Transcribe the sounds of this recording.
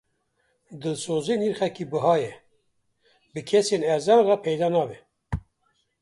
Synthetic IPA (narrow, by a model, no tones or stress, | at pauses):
d̪ɨlsoːzeːniːɾχɛkiːbɨɦɑːjɛ | bɨkʰɛseːnæɾzɑːnrɑːpʰɛjd̪ɑːnɑːbɛ